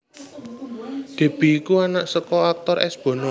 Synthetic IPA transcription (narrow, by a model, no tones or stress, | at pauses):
d̪̥e̤b̥i̤ːkuanaʔsəkɔak̚t̪ɔɾʔɛ̰sb̥ɔ̤nɔ